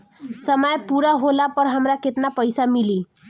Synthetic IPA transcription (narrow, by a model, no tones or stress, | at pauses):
səməjpuɾaɦolapəɾɦəmɾaket̪napəjsamili